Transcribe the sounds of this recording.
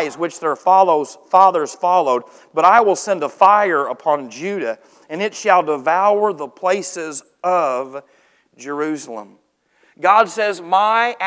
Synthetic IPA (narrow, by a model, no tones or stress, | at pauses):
zwɨt͡ʃðə̥˞fɑðə˞z̥fɑlˠoʊd̚ | bʌɾaɪwəlˠsɛ̃ndəfaɪə˞əpʰɑ̃nd͡ʒʉɾɨ | ɨ̃nɨtʃəlˠdəvaʊə˞ðəpʰl̥eɪsɪz | ʌv | d͡ʒə˞ʉsl̩ˠə̰̃m | ɡɑdsɛzmaɪ